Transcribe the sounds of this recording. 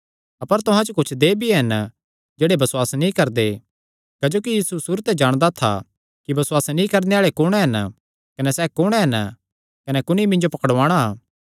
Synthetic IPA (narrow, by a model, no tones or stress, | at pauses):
ɐpəɾt̪ʊɦãd͡ʒokʊt͡ʃʰd̪eːbiɦɐn | d͡ʒeːɽebɐsʊwaːsnĩkɐɾd̪e | kɐd͡ʒoːkijiːsusuːɾət̪ɛd͡ʒaːɽ̃d̪at̪ʰa̰ | kibɐswaːsnĩkɐɾneaːɭekʊɽ̃eɦɐn | kɐnɛsɛːkʊɽ̃ɛɦɐn | kɐnɛkʊñimɪ̃nd͡ʒopɐkəɽʋaːɽ̃aː